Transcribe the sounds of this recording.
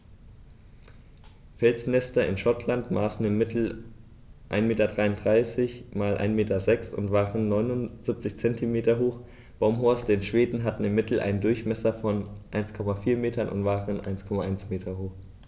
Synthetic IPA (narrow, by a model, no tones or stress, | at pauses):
fɛlsnɛstɐɪ̰nʃɔtʰlantmaːsn̩ɪmɪtʰl̩ | ʔa̰ɪnmeːtɐdʁaɪʊndʁaɪsɪçmaːlʔa̰ɪnmeːtɐzɛksʊ̰ntv̥aːʁənːɔʏnʊnz̥ɪp̚t͡sɪçt͡sɛntʰimeːtɐɦoːx | b̥aʊmɦoɐsdenʃv̥eːdn̩ɦatn̩ɪmːɪtl̩ʔa̰ɪnndʊɐçmɛsɐfɔnʔaɪnskʰɔmafiːɐmeːtɐnʔʊ̰ntv̥aːʁənʔa̰ɪnskʰɔmaʔaɪnsmeːtʰɐhoːx